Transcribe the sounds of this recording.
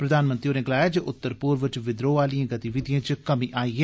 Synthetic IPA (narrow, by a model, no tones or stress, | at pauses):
pɾəd̪aːnmə̃nt̪ɾioːneːɡəlaːjaːd͡ʒoʔʊt̪ːəɾpuːɾʋɪt͡ʃʋɪd̪ɾoːʋaːlijãːɡət̪iʋɪd̪ijãːt͡ʃkəmiːʔaːiːɦɛː